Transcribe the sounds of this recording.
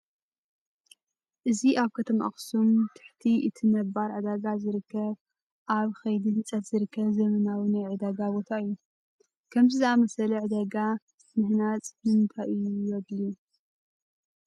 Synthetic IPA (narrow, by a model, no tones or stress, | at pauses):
ʔɨziʔaβkʰɐt̪ʰɐmʔa̰xsumt̪ʰɨ̥ħt̪ʰiʔɨt̪ʰɨnɐβːaɾʕɨd̪aɡazɨɾɨkːɐβ | ʔaβxɐjd̪inɨt͡sʼɐt̪z̥ɨɾɨkʰːɐβzɐmɐnawinajʕɨd̪aɡabot̪ʰaɨjːu | kʰɐmzɨzɨamɐsɐlɐʕɨd̪aɡa | mɨhnat͡sʼmɨnt̪ʰajʔɨjujɐd̪lu